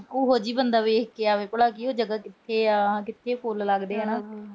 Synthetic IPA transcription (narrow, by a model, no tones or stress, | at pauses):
oːɦoːd͡ʒiːbənd̪aːʋeːkkeaːʋeːpəɽaːkioːd͡ʒəɡaːkɪt̪ʰːeːãːkɪt̪ʰːeːpʰolləɡd̪eːɛːnãː